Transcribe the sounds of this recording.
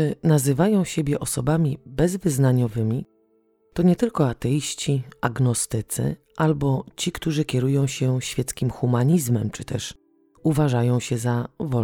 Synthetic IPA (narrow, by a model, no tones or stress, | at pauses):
ɘnazɘvajɔ̃w̃ɕebʲjɛʔɔsɔbamʲibɛzvɘznaɲɔvɘmʲi | t̪ɔɲɛt̪ɘlkɔat̪ɛjiɕt͡ɕiaɡnɔst̪ɘt̪sɘ̰ | ʔalbɔt͡ɕikt̪uʐɘkʲɛɾujɔ̃w̃ɕɛɕfʲjɛt̪skʲimxumaɲizmɛmt͡ʂɘt̪ɛʂ | uvaʐajɔ̃w̃ɕɛzavɔ